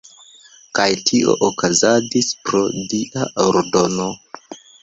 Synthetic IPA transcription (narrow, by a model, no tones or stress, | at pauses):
kajtʰiʔo̞̰ʔokazad͡ʒispɾo̞diʔaʔoɾdo̞no̞